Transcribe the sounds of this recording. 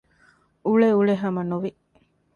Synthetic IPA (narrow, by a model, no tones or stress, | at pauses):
uɭeuɭeɦɐmɐnuʋi